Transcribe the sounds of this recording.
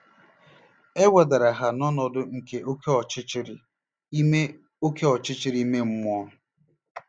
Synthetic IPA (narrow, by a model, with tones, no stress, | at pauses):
e˦wʷa˨da˨ɾa˨ɦa˨nɔ˦nɔ˨dʊ˦ŋ̩˨ke˨ʔo˦ke˦ɔ˨t͡ʃɪ˦t͡ʃɪ˦ɾɪ˦ | e˦ | o˦ke˦ɔ˨t͡ʃɪ˦t͡ʃɪ˦ɾi˦me˦m̩˦mʊ˦ɔ˦ʊ˦